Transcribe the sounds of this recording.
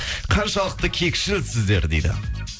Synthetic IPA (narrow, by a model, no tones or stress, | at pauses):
qʰɑnʃɑlˠəq̚t̪əkʲʰe̞kʲʃɪlsɪzd̪e̞ɾd̪e̞jd̪ɪ̰